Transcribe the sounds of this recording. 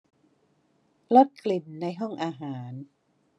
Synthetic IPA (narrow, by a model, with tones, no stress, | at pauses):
lo˦˥t̪̚kli˨˩nːa˧jɦɔ˥˩ŋʔaː˧ɦaː˩˦n